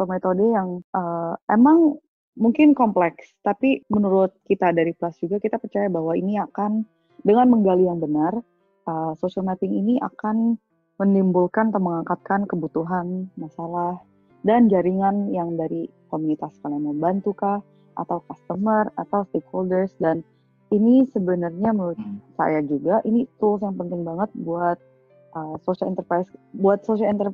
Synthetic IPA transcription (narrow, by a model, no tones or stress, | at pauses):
t̪omet̪odəjaŋʔəemaŋ | muŋkɪnkɔmplɛkst̪apimənuɾʊt̪̚kit̪adaɾiplasd͡ʒuɡakit̪apərt͡ʃajabaɦwainiakan | dəŋanməŋɡalijaŋbənar | ʔəsosialmap̪ɪŋiniʔa̰kan | mənimbulkant̪aməŋakat̪̚kankəbut̪uɦanmasalah | dand͡ʒaɾiŋanjaŋdaɾikomunit̪askalaməmbant̪ukah | ʔa̰t̪awkast̪əmərat̪awst̪ekholdərsdan | inisəbənarɲaməʊt̪̚sa̰jad͡ʒuɡaʔinit̪ulsjaŋpənt̪ɪŋbaŋət̪̚buat̪̚ | ʔəsosalḭnt̪ərpɾajsbuat̪̚sosialint̪ər